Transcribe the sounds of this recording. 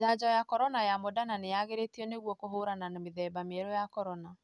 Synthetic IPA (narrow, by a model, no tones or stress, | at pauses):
ad͡ʑɔjakɔɾɔnajamodananejaɣeɾetiɔneɣwɔkoɦoɾananameðɛːbameɛɾɔjakɔɾɔna